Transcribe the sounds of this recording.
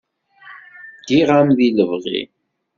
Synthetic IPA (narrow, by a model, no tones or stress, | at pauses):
ɡ̥iʁamðiləvʁḭ